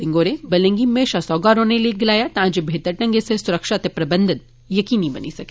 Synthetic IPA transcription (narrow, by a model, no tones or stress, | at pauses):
ɪŋɡoːɾebɐlẽŋɡimeːʃasɔːɡaːɾõːneliɡɐlaːjat̪ɐɦãd͡ʒebʱeːt̪ɐɾʈɐ̃ŋɡesesʊɾəkʃaːt̪epɾɐbɐnd̪ʱɐn | jɐkiːnibɐnisɐke